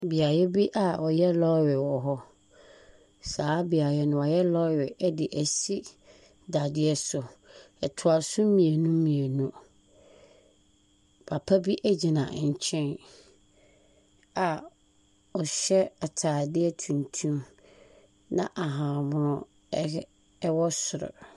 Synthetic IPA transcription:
bi˨a˨jɛ˦bi˦ʔa˨ʔɔ˨jɛ˦lɔ˦ɥɪ˨wɔ˨ɦɔ˦ | saː˦bi˨a˨jɛ˦nʊ̃˦ɔ˨jɛ˦lɔ˦ɥɪ˨ʔɛ˦dɪ˨ʔæ˨si˦ | da˨dɪ˦ɛ˦sʊ˨ | ɛ˨tʰʊ˨a˨sʊ˦mĩ˨e˨nũ˦mĩ˨e˨nũ˦ | pʰa˨pʰa˦bi˦ʔæ˦d͡ʑi˨nã̰˨ɲ̩˨t͡ɕʰɛ̃˦n | a˨ | ɔ˨ɕɛ˦a˨tʰaː˨dɪ˦ɛ˦˨tʰũ˨ntʰũ˦m | nã̰˦ʔa˨ɦã˨mʊ̃˦ɾʊ̃˦ | wɔ˦sʊ˨ɾɔ̰˨

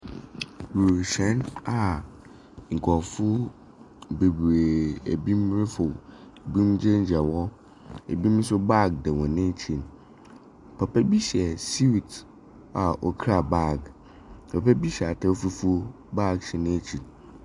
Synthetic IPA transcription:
wu˨ɕɛ̃˨˦na˨ | ŋ̩˨kʰɔ˨fʊ˦ | be˨be˨ḛ˨bi˦mɾɪ˦fʊ˨bĩ˦md͡ʑɛ̃˦ɲ˦d͡ʑɛ˨wɔ˦ | e˨bi˦m̩˦sʊ˦ba˦ɡ̚dɛ˨wɔ̃˨nɪ̃˦t͡ɕʰi˨n | pʰɛ˨pɛ˦bi˦ɕɛ˨si˦˨t | a˨ʔɔ˨kʰɾa˨ba˦˨ɡ | pʰɛ˨pʰɛ˦bi˦ɕa˨tʰɛ˦o˦fu˦fu˦ | ba˦˨ɡ̚ɕɪ˨nɪ̃˦t͡ɕʰi˨n

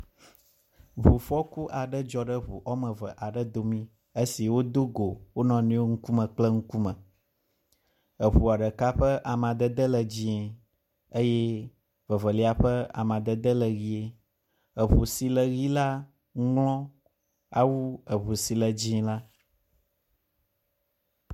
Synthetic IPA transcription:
vu˨fɔ˦ku˦ʔa˨ɖə˦d͡ʒɔ˨ɖə˦βṵ˨ʔɔ˦mə̃˨və̰˨ʔa˨ɖə˦d̪o˨mĩ˦ | ə˦si˨wo˦d̪o˦ɡo˨wo˦nɔ̃˨nũ˦o˦ŋ̩˦ku˦mə̃˨k͡plɛ˦ŋ̩˦ku˦mə̃˨ | ə˨βu˨a˨ɖə˨ka˦ɸə˦ʔa˨mã˨d̪ə˦d̪ə˦lə˨d͡ʑi˦ɛ˨ | ə˦jɛ˦ | və˨və˨li˦a˨ɸə˦a̰˨mã˨d̪ə˦d̪ə˦lə˨ɣi˦e˦ | ə˨βu˨si˨lə˨ɣi˦la˦ | ŋ˦lɔ̃˦ | a˨wu˦ə˨βu˨si˨lə˨d͡ʑi˦la˦

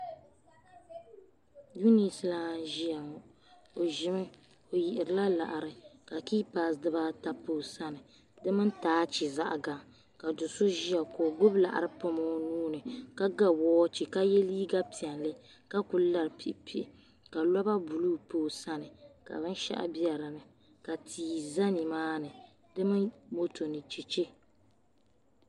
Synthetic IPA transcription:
ju˦ni˨sɨ˦la˦ʒi˦a˨ŋɔ˨ | o˨ʒɪ˨˦mɨ˦ | o˨ji˨ʔɪ˨ɾɨ˨la˦la̰˨ʔa˨ɾɨ˨ka˨kiː˦paː˨sdɨ˦ba˦ta˦poː˦˨sa˦nɨ˨ | dɨ˦mɨ˦n˦taː˦t͡ʃi˨za˦ʔa˨ɡa˨ŋ | ka˨dʊ˨so˦ʒi˦a˨koː˨ɡʊ˦bla̰˨ʔa̰˨ɾɨ˦pʊ˦mɔ˦nuː˦nɨ˨ka˦ɡa˦wɔː˦t͡ʃi˨ka˦jɛ˦liː˦ɡa˦pi˨ɛ˨nlɨ˦ | ka˦kʊ˨˦la˨ɾpḭ˨ʔpi˦ʔ | ka˨lɔ˦ba˦bu˨lu˦poː˦˨sa˦nɨ˨ka̰˨bɨ˦n˦ʃa̰˦ʔa̰˦bi˦a˨ɾɨ˨nɨ˨ | ka˨tʰiː˨za˦ni˨maː˦nɨ˨ | dɨ˦mɨ˦nmo˦tʰo˨nɨ˨t͡ʃi˨t͡ʃe˦

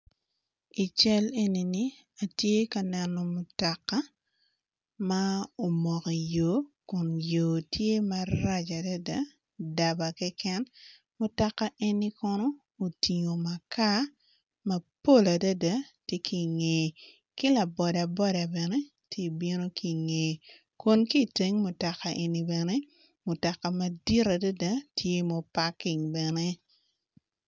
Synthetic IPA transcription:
i˨t͡ʃɛ˦le˦ni˨ni˦ | a˨tje˦ka˨nɛ˨nɔ˨mʊ˨ta˨kːa˦ | ma˦o˨mɔ˨kɔ˨jo˨kʊ˨njo˨tʰje˦maɾa˦t͡ʃa˨da˦da˨˦ | da˨ba˨kɛ˦kɛ˦n | mʊ˨ta˨kːa˦ʔe˦nːi˦kɔ˦nɔ˦ | o˨ti˨ŋo˨ma˨ka˦ | mɐ˨po˦la˨dɐ˦da˨tje˦ki˦˨ŋe˨ | kɪ˦la˨bɔ˨da˨bɔ˦da˨bɛ˨ne˦ | te˦bi˦no˦ki˨ŋe˨ | ko˦˨nki˦˨te˦ŋmʊ˨ta˨ka˨ʔe˨ni˨˦bɛ˨ne˦ | mʊ˨ta˨ka˨mɐ˨di˦ɾa˨da˦da˦tʰje˦mo˦pa˦kɪ˨ŋbɛ˨ne˦

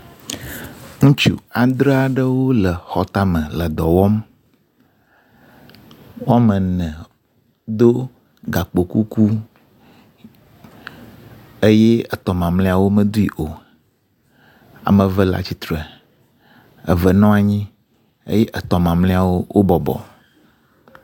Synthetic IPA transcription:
ŋũ˦t͡ʃṵ˨a˨d̪ɾe˦a˨ɖə˦wo˦lə˨xɔ˨t̪a˦mə̃˨lə˨d̪ɔ˨wɔ˦m | wo˦a˦mə̃˨nɛ̃˨ | d̪o˦ | ɡa˨k͡po˨ku˦ku˦ | e˦je˦ə˨t̪ɔ˨mã˨mlẽ˦a˨wo˦mə̃˦d̪u˦i˨ʔo˨ | a̰˨mə̃˨və˦la̰˨t͡ɕi˨t̪ɾə˨ | ə̰˨və˨nɔ̃˦a˨ɲĩ˦ | ḛ˦je˦ʔə˨t̪ɔ˨mã˨mlẽ˦a˨wo˦wʔo˦bɔ˨bɔ̰˨

